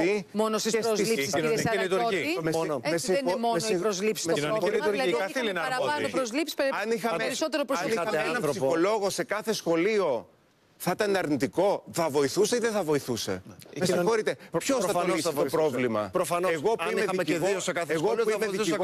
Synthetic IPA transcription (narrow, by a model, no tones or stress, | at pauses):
imonosisɾozlissisɐet̪uoiimesmesnmosiɾozlipsi̥soɾiuɾlɐɐθiinɾɐɐpɾozlipsi̥sɐnixɐɾisot̪eɾopɾoɐniɐɐmeenɐmpɾosixo̞lo̞ɣo̞se̞kɐθe̞sxo̞lio̞ | θɐt̪ɐnɐɾnit̪iko̞θɐvo̞iθuseiðeθɐvo̞iθuse̞̰mesĩxo̞ɾit̪e̞pçosθɐtiseopɾovlimɐ̰ɾofɐneɣoimeɐimeðosekɐθeɣomeð